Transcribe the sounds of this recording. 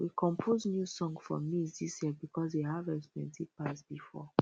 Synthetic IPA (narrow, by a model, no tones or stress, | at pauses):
wikʰɔ̃mpʰoznjusɔ̃ŋɡfɔmisdisjiɛbikɔseɦavɛkspɛ̰̃ntidpasbifɔ̰